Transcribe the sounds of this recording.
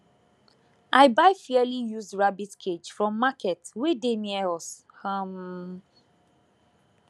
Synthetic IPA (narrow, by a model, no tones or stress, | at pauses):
aɪbaɪfɛalijuzdɹabitkʰed͡ʒfɹɔ̃mːakʰɛtwedenɛs | hãm